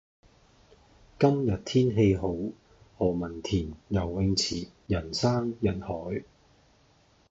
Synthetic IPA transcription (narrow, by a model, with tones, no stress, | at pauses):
kɐ˥mjɐ˨t̚t̪ʰiː˥nɦe˧jɦo˨˥w | hɔː˨˩mɐ˨˩nt̪ʰiː˨˩njɐ˨˩wwɪ˧ŋt͡sʰiː˨˩jɐ˨˩nsaː˥ŋjɐ˨˩nhɔː˨˥j